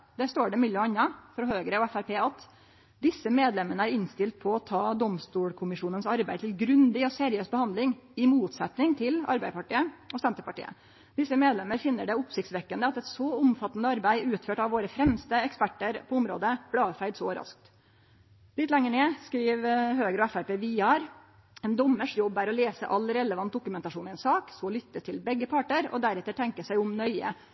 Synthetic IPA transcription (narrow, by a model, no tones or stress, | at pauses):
d̪ɛst̪oːɖɛmʏlːɑnːɑfɾɦøːɡəɾəɔɛfæɾpeːɑt̪ | d̪ɪsːəmeːd̪lɛmːənəæɾɪnst̪ɪlt̪̚pʰɔɔt̪ʰɑːd̪ɔmst̪uːɽkʰʊmɪʂuːnənsɑɾbæɪt̪ʰɪlɡɾʉnd̪ɪɔseːɾɪøːsbəhɑnd̪lɪŋɪmuːt̪sɛt̪nɪŋt̪ʰɪlɑ̰ɾbæɪd̪əpʰɑʈiːəɔsɛnt̪əɾpɑʈḭːə̰ | d̪̥ɪsːəmeːd̪lɛmːəɾfɪnːəɖɛʊpsɪçkt̪sʋɛkːənd̪əɑt̪ɛt̪sɔʊmfɑt̪ːənd̪əɑɾbæɪʉːt̪føːʈɑʋʋoːɾəfɾɛmst̪əɛkspæʈːəɾpʰɔʊmɾo̰ːd̪əb̥lɑːfæɪd̪sɔɾɑ̰sk̚t̪ | lɪt̪ːlɛŋːəɳeːskɾiːʋɦøːɡəɾɔɛfæɾpeːʋiːɑːɾ | ɛnd̪ɔmːəʂjɔbːæɾɔleːsəʔɑlːɾɛləʋɑnt̪̚d̪ʊkʉmɛnt̪ɑʂuːnɛnsɑːksɔlʏt̪ːət̪ʰɪlbɛɡːəpʰɑʈːəɾɔ̰d̪æɾɛt̪ːəʈʰɛŋkəsæɪʊmnœʏə̰